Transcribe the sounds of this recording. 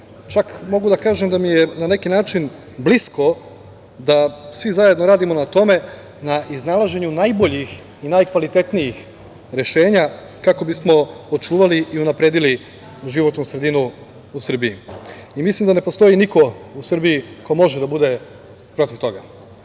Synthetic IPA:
t͡ʃakmo̞ɡud̪akaːʒemd̪amijenane̞kinaːt͡ʃin | blisko̞ | d̪asʋizaje̞d̪noɾaːd̪imo̞nat̪o̞me̞ | naʔiznalˠaʒe̞ɲunajbo̞ʎix | inajkʋalit̪e̞t̪nijix | ɾe̞ʃe̞ːɲa | kako̞bismo̞ot͡ʃuːʋaliʔiunapɾe̞d̪ili | ʒiʋo̞t̪nusɾe̞d̪inuː | sr̩biiimislimd̪ane̞post̪o̞jiniko̞usr̩biiko̞mo̞ʒed̪abud̪e̞ | pɾo̞t̪iʋt̪o̞ɡa

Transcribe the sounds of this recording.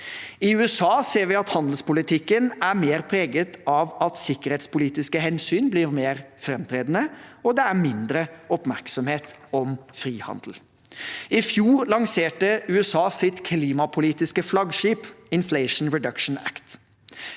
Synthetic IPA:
ɪʉːɛsɑːseːɾʋɪɑt̪hɑnd̪l̩spʊlɪt̪ʰɪkːənæmeːɾpʰɾeːɡət̪ɑʋɑt̪sɪkəɾheːt̪spʊliːt̪ɪskəhɛnsyːnbliːɾmeːɾfɾɛmt̪ʰɾeːd̪ənəɔd̪ɛæmɪnd̪ɾəɔpmæɾksɔmheːt̪ɔmfɾiːhɑ̰nd̪l̩ | ɪfjuːɾlɑŋseːʈəʉːɛsɑːsɪt̪kʰliːmɑpʰʊliːt̪ɪskəflɑɡʂiːpɪnfleɪʂn̩ɹɛd̪ɑkʃn̩æ̰kt̪

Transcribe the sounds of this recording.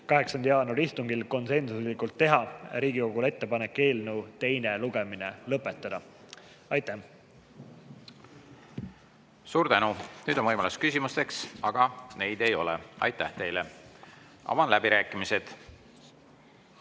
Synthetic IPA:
kɑɦe̞ksɑnd̪jɑːnuɾist̪uŋɡ̥ilko̞nse̞nsuslikult̪ːe̞ɦɑɾiːɡiko̞ɡ̥ule̞t̪ːe̞pɑne̞kːe̞ːlnut̪e̞jne̞luɡe̞mine̞lɤpˑːe̞t̪ˑːɑd̪̥ɑ | ɑjt̪ːæh | suːɾt̪ænunyːd̪o̞nvɤjmɑluskysʲimust̪e̞ksɑɡ̥ɑne̞jd̪e̞jo̞̰lḛɑ̰jt̪ːæ̰ht̪e̞jle | ɑ̰vɑnlæbiɾæːkːˑimise̞d̪̥

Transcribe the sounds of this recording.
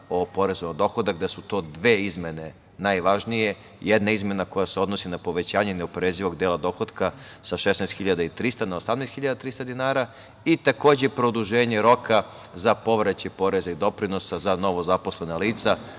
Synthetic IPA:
opo̞ɾe̞zoad̪o̞xod̪akd̪asut̪o̞ːd̪ʋeːizme̞ne̞ | najʋaʒnije̞ | jed̪naizme̞nako̞jaseo̞d̪nosinapo̞ʋe̞t͡ɕaːɲeneopɾeziʋo̞ɡd̪eːlˠad̪o̞xo̞d̪ka | saʃesnest̪xiʎad̪ait̪ɾist̪anaosamneːst̪xiʎad̪at̪ɾist̪ad̪inaːɾa | it̪ako̞ːd͡ʑepɾod̪uʒeːɲe̞ɾo̞ka | zapo̞ʋɾet͡ɕepo̞ɾe̞zaid̪o̞pɾinosazano̞ʋo̞zapo̞sle̞naliːt̪sa

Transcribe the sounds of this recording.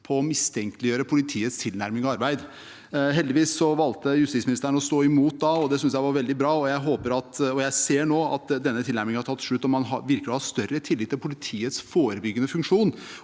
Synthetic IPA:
pʰɔɔmɪst̪ʰɛŋkəlɪjøːɾəpʰʊlɪt̪ʰiːət̪st̪ʰɪlnæɾmɪŋɑɑɾbæɪd̪ | ɦɛld̪ɪʋiːsːɔʋɑlt̪əjʉst̪ɪsmɪnɪst̪əɾəɳn̩ɔst̪oːɪmuːt̪̚d̪ɑɔd̪ɛsʏns̬jæɪʋɑɾʋɛld̪ɪbɾɑːɔjæɪɦoːpəɾɑt̪ɔjæɪseːɳoːɑ̰t̪̚d̪ɛnːət̪ʰɪlæɾmɪŋhɑɾʈʰɑt̪ːʂɭʉt̪ːɔmːɑnɦɑ̰ʋɪɾklɪhɑɾst̪œɾət̪ʰɪlːɪt̪ːɪlpʰʊlɪt̪ʰiːət̪sfoːɾəbʏɡːənəfʉŋkʂuːn

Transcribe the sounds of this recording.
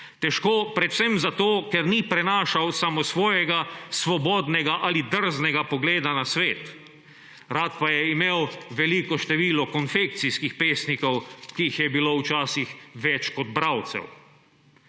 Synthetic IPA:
t̪ɛʃkoːpɾɛt̪w̥sɛmzat̪oːkɛɾnipɾɛnaːʃawsamɔsʋɔːjɛɡasʋɔbɔːd̪nɛɡaʔalid̪əɾznɛɡapɔɡleːd̪anasʋeːt̪ | ɾaːt̪̚pajɛimeːwʋɛlikɔʃt̪ɛʋiːlɔkɔnfekt̪siskixpeːsnikɔwkiixjɛbiloːwt͡ʃaːsixʋɛt͡ʃkɔd̪̚bɾawt̪sɛ̰w

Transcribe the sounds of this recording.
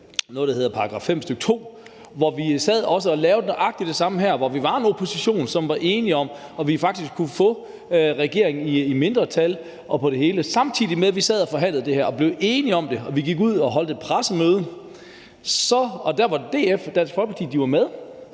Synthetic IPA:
nɔ̽ð̩ˠd̥ahe̝ð̞ˠɐpʰɑ̈ʁɑɡ̥ʁɑ̈ːfem̰sd̥øɡ̥ə̥t͡sʰo̝̰ː | ʋɒʋisɛð̞̰ˠɒ̽s̬əɒ̽lɛːʊd̥eʔɑ̈ɡ̥̚d̥id̥e̝sɑ̈məɦæɐ̰ʋɒʋiʋɑ̈e̝nopʰo̝siɕo̝̰ːnsɒ̽mʋɑ̈ʔe̝ːniɒ̽m̰ɒ̽ʋifɑ̈ɡ̥d̥isɡ̥kʰːufɔ̽ | ʁɛɡ̥e̝ɐ̰eŋn̩iːme̝nd̥ʁɐt͡sʰæl | ʔɒ̽pʰɒ̽ɾ̥e̝ɦe̝ːləsɑ̈mt͡sʰið̰ˠimeðˠʋisɛð̞̰ˠɒfɒ̽ɦæn̰lð̩ˠd̥e̝hæɐ̰ɒ̽b̥le̝ʊe̝ːniɒ̽md̥e̝ɒ̽ʋiɡ̥iɡ̥uð̞̰ˠɒ̽ɦɒ̽l̰d̥epʰʁasəmøːð̞ˠ | sɒ̽ɒ̽d̥æɐʋɑ̈d̥e̝̰ːefd̥æn̰sɡ̥fɒlɡ̥pʰɑ̈t͡sʰḭːd̥iʋɑ̈með̞ˠ

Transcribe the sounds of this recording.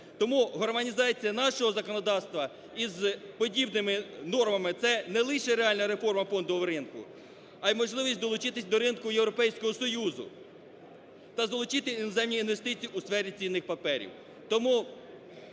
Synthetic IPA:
t̪ɔmuɦɔrmɐnʲizɑt͡sʲijɐnɑʃɔɦɔzɐkɔnɔd̪ɑwst̪ʋɐ | izpɔdʲibnɪmɪnɔrmɐmɪt̪sɛnɛlˠɪʃɛɾeɑlʲnɐɾefɔrmɐfɔnd̪ɔɔwɾɪnkʊ̰ | ɐjmɔʒlˠɪʋʲisʲtʲd̪ɔlˠʊt͡ʃɪt̪ɪsʲd̪ɔɾɪnkʊjewɾɔpɛjsʲkɔɦɔsɔjuzʊ̰ | t̪ɐzɐlˠʊt͡ʃɪt̪ɪinɔzɛmnʲiinʋe̞st̪ɪt͡sʲijiusfɛɾʲit͡sʲijnːɪxpɐpɛɾʲḭw | t̪ɔmu

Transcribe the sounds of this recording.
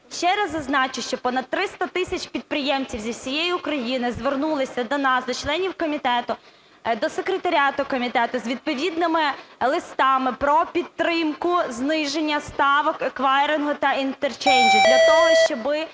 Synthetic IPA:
ʃt͡ʃɛɾɐzɐznɑt͡ʃɪʃt͡ʃɔpɔnɐd̪̚t̪ːɾɪst̪ɐt̪ɪsʲɐt͡ʃʲpʲid̪̚pɾɪjɛmt͡sʲiwzʲiwsʲijejiʊkɾɐjinɪzʋernulˠɪsʲɐd̪ɔnɑsd̪ɔt͡ʃlˠɛnʲiwkɔmʲit̪ɛt̪ʊ | d̪ɔsekɾet̪ɐɾʲɑt̪ʊkɔmʲit̪ɛt̪ʊzʲʋʲid̪̚pɔʋʲid̪nɪmɪlˠɪst̪ɑmɪpɾɔpʲid̪̚t̪ːɾɪmkʊznɪʒenʲːɐst̪ɑʋɔkekʋɑɾʲɪnɦɔt̪ɐint̪ert͡ʃɛnʲdʲid̪ʲlʲɐt̪ɔɦɔʃt͡ʃɔbɪ

